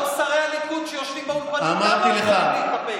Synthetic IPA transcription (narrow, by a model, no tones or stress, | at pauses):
saʁejalikud̪ʃejo̞ʃvimbaupaamaʁt̪ileχaikape